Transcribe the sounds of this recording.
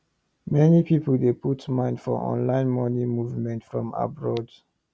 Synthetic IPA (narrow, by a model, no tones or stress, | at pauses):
mɛnipipəldeputmãɪ̃ndfɔ̰ʔɔ̰̃nlãɪ̃nmɔnimuvmɛ̃ntfɹɔ̃ma̰bɹɔd